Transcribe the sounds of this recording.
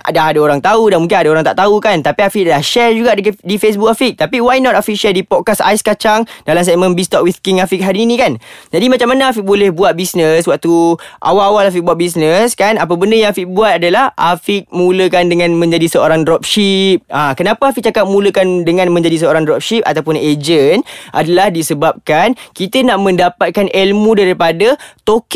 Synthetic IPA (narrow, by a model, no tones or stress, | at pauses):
a̰daɦadaoɾaŋt̪audanmuŋkinadaoɾaŋt̪a̰ʔt̪aukant̪apiafik̚adalahʃɛrd͡ʒuɡaʔddifes̬buk̚afiʔ̚t̪apiwajnɔt̪afiʔʃɛldipɔt̚kasa̰jskat͡ʃaŋdalamsɛk̚mə̃nbist̪ɔk̚wiθkiŋafik̚ɦaɾiːnĩkand͡ʒadimat͡ʃamːanaafik̚bolɛhbuat̪̚bisnəswak̚t̪uʔa̰waawalafik̚buaʔ̪̚bis̬nəskanap̬əbəndəjãŋafiʔbuat̪̚adalahʔafik̚mũləkandəŋãnmə̃ɲd͡ʒadisəoɾaŋdɾɔp̚ʃip̚ãkənapaafiʔ̚t͡ʃakap̚mũləkandəŋãnmə̃ɲd͡ʒadis̬əoɾaŋdrɔp̚ʃip̚a̰t̪awpʊned͡ʒənʔa̰dalahdisəbap̚kankit̪ənaʔmə̃ndapat̪̚kanʔelmũdaɾipadat̪ok